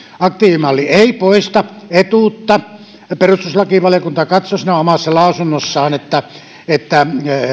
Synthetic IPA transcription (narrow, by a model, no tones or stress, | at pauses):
ɑk̚t̪iːʋimɑlːieˑipoist̪ɑ | et̪uːˑt̪ːɑ | perust̪uslɑkiʋɑliokunt̪ɑkɑt̪sosinæomɑsːɑlɑˑusunːosːɑːnet̪ːæ | et̪ːæ